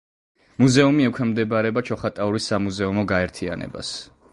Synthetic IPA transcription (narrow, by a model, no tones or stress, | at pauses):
muzɛumiɛkʰwɛmd̪ɛbaɾɛbat͡ʃʰɔχat̪ʼauɾisːamuzɛumɔɡaɛɾt̪ʰia̰nɛ̰ba̰s